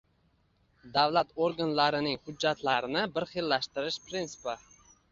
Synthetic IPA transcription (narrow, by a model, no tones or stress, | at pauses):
d̪avlat̪ʰoɾɡanlaɾɪnɪŋhʊd͡ʒːat̪ʰlaɾɪnɪbɪɾχelːaʃt̪ɪɾɪʃpɾintsɪ̥pɪ